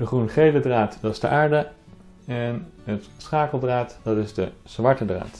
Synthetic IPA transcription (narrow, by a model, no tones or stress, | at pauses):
d̥əχrunχejlədraːtdɑzdə̰ʔaːɹdə | ɛnɦətsχaːkəlˠdraːtdɑtɪzdəz̥ʋɑɹtədra̰ːt